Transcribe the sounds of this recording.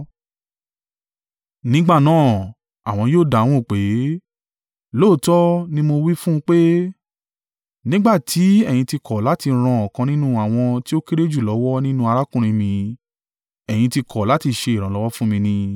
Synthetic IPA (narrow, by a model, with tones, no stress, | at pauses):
nĩ˦ɡ͡ba˦˨nãː˦˨ | a˨w̃ɔ̃˧joː˦˨da˨w̃ɔ̃˦˨k͡pe˨˦ | loː˦˨tɔ˦nĩ˦mo˧wi˦fũ˦˧k͡pe˦ | nĩ˦ɡ͡ba˦˨tʰi˨˦ɛ˦˨j̃ĩ˧ti˧kʰɔ˨la˨˦ti˧ɾ̃ã˧ɔ˨kã˧nĩ˦nũ˦a˦˨w̃ɔ̃˧ti˦o˦ke˦ɾe˦d͡ʒu˦˨lɔ˨˦wɔ˦nĩ˦nũ˦a˧ɾa˦kũ˦ɾ̃ĩ˧mĩ˧ | ɛ˨j̃ĩ˧ti˧kʰɔ˨la˨˦ti˧ʃe˧i˨ɾ̃ã˨lɔ˨˦wɔ˦fũ˦mĩ˧nĩ˧